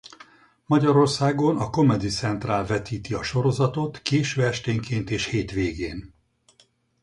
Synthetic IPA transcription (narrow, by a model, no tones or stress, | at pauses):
mɒɟɒɾo̞rsaːɡo̞nɒko̞mɛd̪it̪sɛnt̪raːlvɛt̪iːt̪iɒʃo̞ɾozɒt̪o̞t̪keːʃøːɛʃt̪eːŋkeːnt̪eːʃheːt̪ʋeːɡeːn